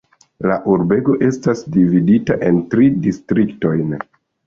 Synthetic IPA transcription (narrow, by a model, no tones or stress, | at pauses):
laʔuɾbe̞ɡo̞ʔe̞stasdividitaʔe̞ntɾidistɾikto̞jn